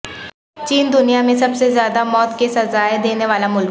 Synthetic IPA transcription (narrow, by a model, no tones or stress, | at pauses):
t͡ʃiːnd̪ʊnijamẽsɐbsezjaːd̪amɔːt̪kesɐzaːed̪eːneʋaːlamʊl